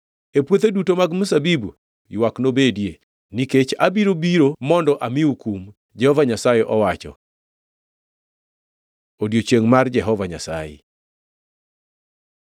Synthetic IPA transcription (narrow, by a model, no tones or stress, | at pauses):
epwot̪edutomaɡmʊsabibu | jwaknobedje | niket͡ʃa̰biɾobiɾomɔndɔʔamɪukum | d͡ʒɛhɔvaɲasajeʔɔwat͡ʃɔ̰ | odjot͡ʃeŋmard͡ʒɛɦɔvaɲa̰sa̰jḛ